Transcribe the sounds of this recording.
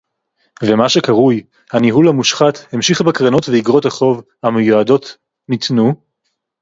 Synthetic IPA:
vemaʃe̞kaʁuj | haniɦulamuʃχathemʃiχbekʁano̞tveiɡʁotaχo̞vhamejuado̞t | nit̪nu

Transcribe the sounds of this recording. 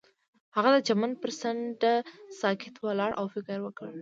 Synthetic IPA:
haɣad̪əd͡ʒamanpəɾsaɳɖasɑkʰɪt̪walɑɽʔa̰wfɪkəɾwəkəɽ

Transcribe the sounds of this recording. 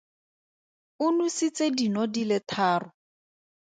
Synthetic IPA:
ʊnusit͡sedinɔdilɪtʰaːrʊ

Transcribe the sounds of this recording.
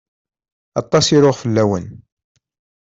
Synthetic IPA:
ɑt̪ˤːɑsiɾʊʁfəlːæwən

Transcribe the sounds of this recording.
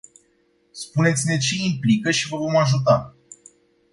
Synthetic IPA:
spune̞t̪sʲine̞t͡ʃe̞implikəʃivəvo̞maʒut̪̬a

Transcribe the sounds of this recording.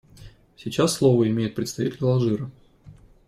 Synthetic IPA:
sʲit͡ɕasːlˠovəɪmʲejɪt̪̚pɾʲɪt̪st̪ɐvʲitʲɪlʲlˠɐʐɨɾə

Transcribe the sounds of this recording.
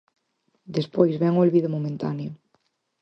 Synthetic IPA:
d̪espojzβɛŋolβiðomomẽnt̪ano

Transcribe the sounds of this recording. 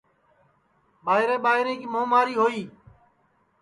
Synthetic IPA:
ɓaːɦɪɾẽːɓaːɦɪɾẽːkiːmõːmaːɾiːɦoːiː

